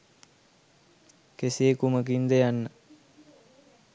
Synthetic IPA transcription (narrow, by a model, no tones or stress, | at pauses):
keseːkumək̬ind̪ejanːə